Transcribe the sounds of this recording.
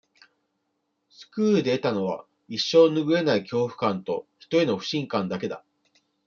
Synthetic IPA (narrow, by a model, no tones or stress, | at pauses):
sɨ̥kɯ̟ːd̪e̞ːt̪ano̞βa̰ | iɕːo̞ːnɯ̟ɡɯ̟e̞naikʲo̞ːɸɯ̟̥kãnt̪o̞çi̥t̪o̞eno̞ɸɯ̟ɕĩŋkãnd̪ake̞d̪a̰